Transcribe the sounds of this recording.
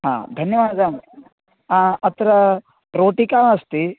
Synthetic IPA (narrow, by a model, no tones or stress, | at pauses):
ɦa̰ːd̪ʱɐnjɐʋaːd̪ɐm | aɐt̪ɐɾɐ | ɾoːʈikaːmɐst̪i